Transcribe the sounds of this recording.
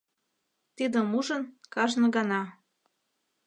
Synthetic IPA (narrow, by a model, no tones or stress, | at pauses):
t̪id̪ə̆muʒənkɑʒnɤ̆ɡɑnɑ